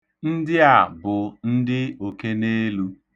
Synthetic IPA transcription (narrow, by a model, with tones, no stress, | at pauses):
n̩˦dɪ˦a˨bʊ˨n̩˦dɪ˦o˨ke˦ne˦lu˦